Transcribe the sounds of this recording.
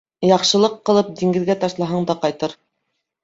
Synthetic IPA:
jɑqʃɤ̆lˠɤqːɤ̆lˠɤp̚d̪iŋɡɘ̆ðɡæt̪ɑʃlˠɑɦɑɴd̪ɑqɑjt̪ɤɾ

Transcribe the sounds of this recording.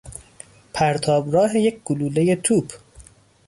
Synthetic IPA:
pʰæɾt̪ʰɒːbɾɒːɦejec̚ʰɡ̥uluːleje̞t̪ʰuːb

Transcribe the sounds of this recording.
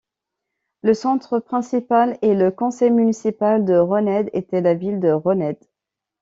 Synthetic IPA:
ləsɑ̃t̪χəpχɛ̃sipaleləkɔ̃sɛjmynisipald̪əʁənɛd̪et̪ɛlavild̪əʁənɛd̪̥

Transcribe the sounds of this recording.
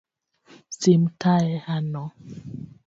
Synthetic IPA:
simtʰaɛhanɔ

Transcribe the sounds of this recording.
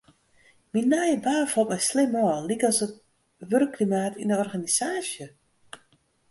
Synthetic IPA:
minajəbaːfɔlˠtmɛjslɪmɔːllikɔsət | ʋørkːlimaːtʰindəɔrɣanisaːsjə

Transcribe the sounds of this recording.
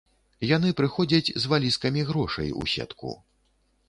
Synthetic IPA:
janɨpɾɨxɔd͡zʲɐt͡sʲzvalʲiskɐmʲiɣɾɔʂɐ̰jṵsʲɛ̰t̪kṵ

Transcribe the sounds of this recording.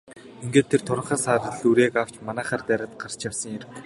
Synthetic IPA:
iŋɡeːt̪ʰːert̪ʰʊɾə̆ɴχaːsaːtə̆ɮuɾeːkaw̥t͡ɕmanæːχaːrt̪æːɾʲə̆t̪̚ɢar̥t͡ɕjawsə̆ŋjer

